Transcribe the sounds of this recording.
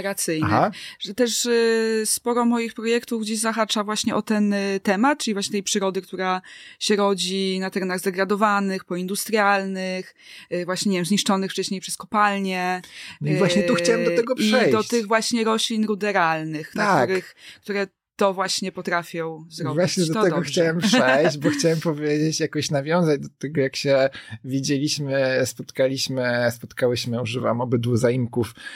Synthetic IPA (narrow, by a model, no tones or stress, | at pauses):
ɾat̪sɘj̪ɛaʐ̥ɛt̪ɛʂ | spɔɾɔmɔjixpɾɔjɛkt̪uvɡd͡ʑeʑzaxat͡ʂavwaɕɲɛʔɔt̪ɛnt̪ɛmat̪̚t͡ʂɨlivwaɕɲɛt̪ɛjpʂɘɾɔd̪ɘkt̪uɾaɕɛɾɔd͡ʑinat̪ɛɾɛnaɣzd̪ɛɡɾad̪ɔvanɘxpɔind̪ust̪ɾjalnɘxvwaɕɲɛɲɛvjɛmzɲiʂt͡ʂɔnɘxft͡ʂɛɕɲejpʂɛskɔpalɲɛnɔivwaɕɲɛuxt͡ɕawɛd̪ɔɛɡɔpiʂɛjd̪ɔt͡ɕt̪ɘɣvwaɕɲɛɾɔɕlʲinɾud̪ɛɾalnɘxnaakuɾɘxk̚t̪uɾɛ | t̪ɔvwaɕɲɛpɔt̪ɾafʲjɔ̃w̃zɾɔvwaɕɲɛd̪ɔt̪ɛɡɔxt͡ɕawɛmpʂɛjd͡ʑbɔxt͡ɕawɛmpɔvʲjed͡ʑet͡ɕjakɔɕnavʲjɔ̃w̃zad͡ʑd̪ɔt̪ɛɡɔjakɕɛvʲid͡ʑelʲiɕmɘspɔt̪kalʲiɕmɘspɔt̪kawɛɕmɘuʐɨva̰mɔbɘd̪wuzaimkuf